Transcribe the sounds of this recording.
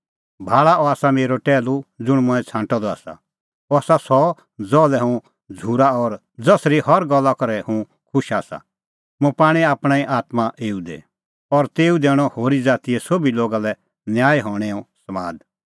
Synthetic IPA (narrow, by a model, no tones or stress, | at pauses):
bʱaːɭaɔaːsameːɾoʈɛːlud͡zʊɽ̃mʊ̃ɛ̃t͡sʰãːʈɔd̪ɔaːsa̰ | ɔaːsasɔ | d͡zɔːlɛɦũ | d͡zʱuːɾaɔɾ | d͡zɐsɾihɔɾɡɔlːakɔɾɛhũ | kʰʊʃaːsa̰ | mũpaːɽ̃iaːpɽ̃ãiʔaːt̪maʔeːud̪ḛ | ɔɾt̪eːũd̪eːɽ̃ɔhoːɾid͡zaːt̪iɛsobiloːɡalɛ | njaːjɦɔ̃ːɽ̃ɛɔ̃sɐmaːd̪